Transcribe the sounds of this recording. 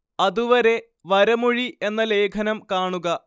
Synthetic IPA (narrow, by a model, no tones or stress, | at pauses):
ɐðuʋɐɾe̞ | ʋɐɾɐmuɻie̞nːɐle̞ːkʰɐnɐmkaːɳuɣɐ